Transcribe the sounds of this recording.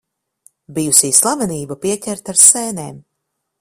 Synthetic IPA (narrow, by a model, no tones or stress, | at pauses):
bijusiːslˠavɛniːbapiɛcʲɛɾt̪aɾsɛːneːm